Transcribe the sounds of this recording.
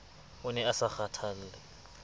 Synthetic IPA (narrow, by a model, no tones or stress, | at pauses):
ʊnɛasaxatʰal̩ːlɛ